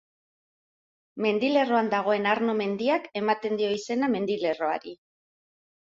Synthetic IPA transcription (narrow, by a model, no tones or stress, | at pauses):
me̞nd̪ile̞ro̞and̪aɣ̞o̞e̞naɾno̞me̞nd̪iake̞mat̪e̞nd̪io̞ise̞name̞nd̪ile̞ro̞a̰ɾi